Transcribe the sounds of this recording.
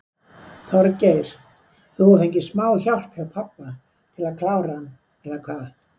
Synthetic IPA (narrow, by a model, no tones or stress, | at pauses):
θawɾaceːjɾ̥ | θuθejɲcɪsmaːwçawl̥phɛpʰapːa | t̪ʰɪlaðkʰlaːwɾaanː | ɛðakʰvaːð